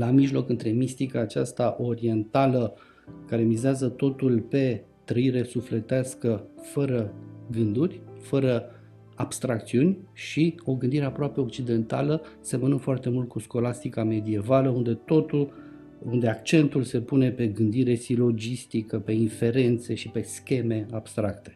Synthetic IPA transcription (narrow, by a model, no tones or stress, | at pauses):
lamiʒlo̞kɨnt̪ɾe̞mist̪ikaːt͡ʃast̪aʔo̞ɾie̞nt̪alə | kaɾe̞mizeazət̪o̞t̪ulpe̞ | t̪ɾəiɾe̞sufle̞t̪easkəfəɾəɡɨnd̪urʲfəɾə | abst̪ɾak̚t̪siunʲʃio̞ɡɨnd̪iɾe̞apɾoape̞o̞k̚t͡ʃid̪e̞nt̪a̰ləse̞mənɨnfoart̪e̞mult̪̚kusko̞last̪ikame̞d̪ie̞valəund̪e̞t̪o̞t̪u | und̪e̞akt͡ʃe̞nt̪ulse̞pune̞pe̞ɡɨnd̪iɾe̞silo̞d͡ʒist̪ikəpe̞infe̞ɾe̞nt̪se̞ʃipe̞skʲe̞me̞ab̥st̪ɾakt̪e